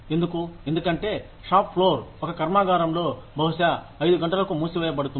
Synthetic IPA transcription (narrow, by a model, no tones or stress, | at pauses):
e̞nd̪ukue̞nd̪ukɐɳʈe̞ː | ʂaːppʰːlo̞ːɾɔkɐkɐɾmaːɡaːɾɐmlo̞ːbʱɐwʃɐː | jd̪uɡɐɳʈɐlɐkumuːsiʋɛːjɐbɐɽut̪un